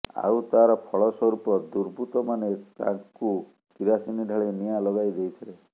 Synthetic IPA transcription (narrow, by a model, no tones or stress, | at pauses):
a̰wt̪aɾɔpʰɔɭɔsɔɾupɔd̪uɾbʱut̪ɔmanet̪ã̰ku | kiɾasiniɖʱaɭenijalɔɡajd͡ʒejt̪ʰile